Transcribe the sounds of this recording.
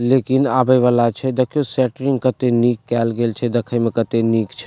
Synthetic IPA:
lekinabəʋalat͡ʃʰɛd̪əkʰijosɛʈɾiŋɡkət̪enikːɛːlɡelt͡ʃʰɛd̪əkʰəjmẽkət̪enikt͡ʃʰɛ

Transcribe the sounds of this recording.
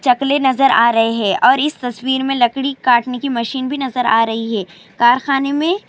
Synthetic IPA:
t͡ʃɐklenɐzəɾaːɾɐɦeɦɛːʔɔːɾɪst̪ɐswiːɾmẽlɐkɽikaːʈnekimɐʃiːnbʱinɐzəɾaːɾɐɦiɦɛː | kaːɾxaːnemẽ

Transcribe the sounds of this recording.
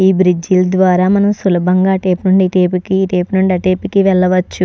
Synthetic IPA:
iːbɾid͡ʒilɐd̪ʋaːɾaːmɐnɐmsulɐbʱɐŋɡaːʈeːpnuɳɖiʈeːpikiːʈeːpnuɳɖiɐʈeːpikiʋɛɭːɐʋɐt͡ʃːu

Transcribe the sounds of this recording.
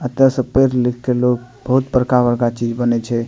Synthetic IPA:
ət̪əsə̃peɾlikʰkelokbəɦut̪bəɾkabəɾkat͡ʃid͡ʒbənɛt͡ʃʰɛ

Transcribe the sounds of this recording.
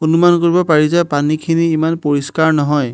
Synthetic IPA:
onumankoɹibɔpaɹizajpanikʰiniːmanpoɹiskaɹnɔɦɔj

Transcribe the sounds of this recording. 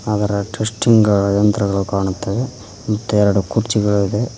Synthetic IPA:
ɐd̪ɐɾɐʈesʈiŋɡɡɐɭɐjɐnt̪ɾɐɡɐɭukaːɳut̪ːɐʋe | mɐt̪ːuɛɾɐɽukuɾt͡ʃiɡɐɭuid̪e̞

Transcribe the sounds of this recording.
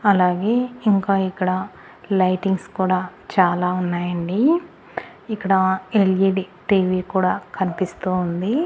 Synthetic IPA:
ɐlaːɡe̞ːiŋkaːikːɐɽɐ | lɐjʈiŋɡskuːɽaːt͡ʃaːlaːunːaːjɐɳɖi | ikːɐɽɐeljiɖʈiːʋiːkuːɽaːkɐnipist̪uːnd̪i

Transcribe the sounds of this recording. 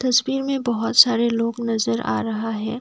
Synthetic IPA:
t̪ɐswiːɾmẽbɐɦʊt̪saːɾeloːɡnɐzəɾa̰ːɾɐɦaɦɛː

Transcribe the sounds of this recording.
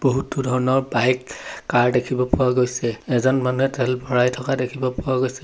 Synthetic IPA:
b̥oɦutudʱɔɹɔnɔɹbajkːaɹdekʰibɔpʊwaɡojsɛɛzɔnmanuɦɛtɛɛlbʱɔɹajtʰɔkadekʰibɔpɔwaɡojsɛ

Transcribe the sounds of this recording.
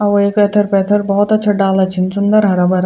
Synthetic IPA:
ɐʋoeːkeːt̪ʰɐɾpɛːt̪ʰɐɾbɐɦɔt̪ɐtːʃʰɐɖaːlɐt͡ʃʰinsʊnd̪əɾɦɐɾɐbɐɾ

